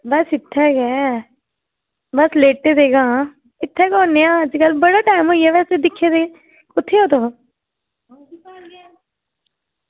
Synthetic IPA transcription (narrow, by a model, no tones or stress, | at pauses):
bəsɪt̪ʰːɛːɡɛː | bəsleːʈːeːd̪eːɡãː | ɪt̪ʰːɛːkɔ̃ːneːãːəd͡ʒkəlbəɽaːʈaːɪmɦoːiɛːʋɛːsed̪ɪkʰːeːd̪e | kʊt̪ʰːeːoːt̪o